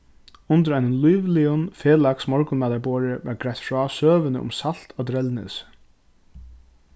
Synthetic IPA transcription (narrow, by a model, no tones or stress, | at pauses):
ʊnt̪ɪɾajnənlujʋliʊnfeːlaksmɔɹkʊnmɛːt̪aɹboːɾɪʋaɾɡɾajt̪fɹɔːsøːʋɪnə̰ʔʊ̰msal̥t̪ʰad̪ɾɛlnɪ̰s